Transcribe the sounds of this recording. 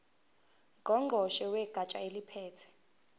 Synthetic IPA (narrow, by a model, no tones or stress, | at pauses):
ɡʱɔŋ͡ǃʱɔʃɛwɛɡ̥ʱat͡ʃʼaelipʰɛːtʰɛ̥